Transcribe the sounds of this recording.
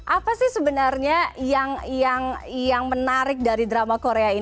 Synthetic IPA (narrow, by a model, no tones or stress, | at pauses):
ʔapasɪhsəbənarɲajaŋjaŋjaŋmənaɾɪk̚daɾidɾamakoɾeai